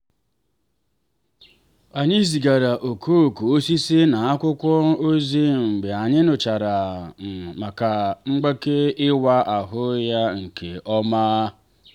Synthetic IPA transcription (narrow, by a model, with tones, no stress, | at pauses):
a˨ɲi˦zi˨ɡa˨ɾa˨ʔo˨kʰo˦˨ko˨o˦si˦sɪ˦na˨a˦kʷʊ˦kʷɔ˦o˦zi˦ŋ͡m̩˨ɡ͡be˨a˨ɲɪ˦nʊ˨t͡ʃa˨ɾa˨m̩˨ma˨ka˨ŋ͡m̩˦ɡ͡be˦ke˦ɪ˦wa˦ʔa˨ɦʊ˦ja˦ŋ̩˨ke˨ɔ˦maː˦